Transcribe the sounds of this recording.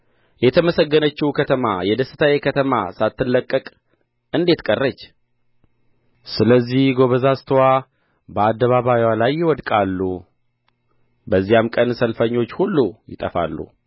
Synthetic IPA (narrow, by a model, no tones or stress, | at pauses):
jɛt̪ʰəməsəɡːənət͡ʃːiwukʰət̪ʰəma̰jɛd̪əsɨt̪ʰawjekʰət̪ʰəma̰sat̪ːɨlːəkʼːəkʼ | ɨnd̪e̞t̪kʼərːət͡ʃː | sɨləzːihɡo̞βəzast̪ʰwa | bəad̪ːəβaβajwalajːɪwɔd̪kʼalːu | bəzːijamkʼənsəlfəɲːo̞t͡ʃːhulːujɪt̪ʼəfa̰lːṵ